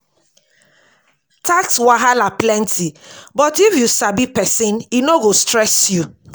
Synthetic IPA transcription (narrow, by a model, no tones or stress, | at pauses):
takswaɦalaplɛ̃ntʰibɔtifjusabipɛsɪ̃ninoɡostɹɛsju